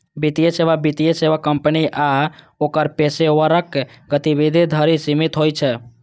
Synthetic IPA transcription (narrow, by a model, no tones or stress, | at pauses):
bit̪ijeseβabit̪ijeseʋakːəmpəniʔa | okəɾpesewəɾəkɡət̪ibid̪ʱid̪ʱəɾisimit̪ɦojt͡ʃʰɛ